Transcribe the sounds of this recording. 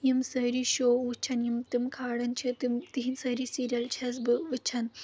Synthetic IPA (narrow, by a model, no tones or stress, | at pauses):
jimsɐːɾiʃoːʋut͡ʃʰɐnjimt̪ɨmkʰaːɽɐnt͡ʃʰit̪imt̪iɦinsɐɾisiːɾʲɐlt͡ʃʰɐzbɨʋɨt͡ʃʰɐn